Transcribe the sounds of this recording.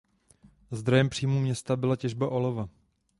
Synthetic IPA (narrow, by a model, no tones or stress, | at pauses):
zd̪ɾojɛmpr̝̥iːmuːmɲɛst̪abɪlacɛʒbaʔo̞lova